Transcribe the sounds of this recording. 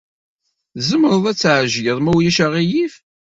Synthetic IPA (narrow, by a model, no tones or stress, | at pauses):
zəməɾˤðˤæt͡sːʕʒəðˤmæwjæʃəʁijif